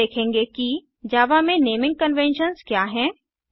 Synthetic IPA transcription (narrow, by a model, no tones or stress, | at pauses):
eːkʰẽːŋɡeki | d͡ʒaːʋamẽneːmɪ̃ŋɡ̚kənʋɛ̃nʃənzkjaːɦɛ̃ː